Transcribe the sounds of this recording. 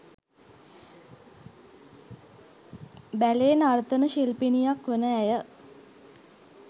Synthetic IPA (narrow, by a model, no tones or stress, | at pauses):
bæleːnart̪ənəʃelpinijakʋənəæjə